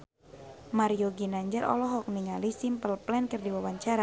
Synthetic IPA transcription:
maɾioɡinaɲd͡ʒəɾʔɔ̰lɔɦɔk̚niŋalisimpəlplɛnkɨrdiwawaɲt͡ʃaɾa

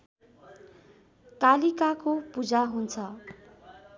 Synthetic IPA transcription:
kalikakopud͡zaɦunt͡sʰʌ

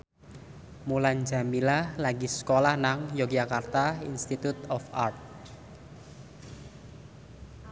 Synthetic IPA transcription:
mulanɲd͡ʒa̤milalaɡisə̥kolahnaŋjoɡd͡ʒakart̪aḭnst̪it̪ut̪ɔfart̪̚

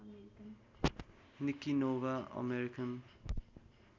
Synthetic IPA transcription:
nikinovaə̰meɾikʰən

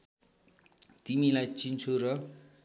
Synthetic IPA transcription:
t̪imilajt͡sint͡sʰuɾʌ

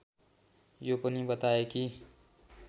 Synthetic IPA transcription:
jopənibət̪aeki

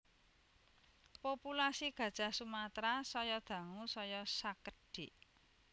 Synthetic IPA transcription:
populasiɡ̥ä̤d̥ʒ̥a̤sumat̪ɾasɔjɔd̪̥ä̤ŋusɔjɔsakəɖ̥iʔ

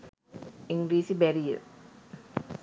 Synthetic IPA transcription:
iŋɡɾiːsibɛɾiə̰

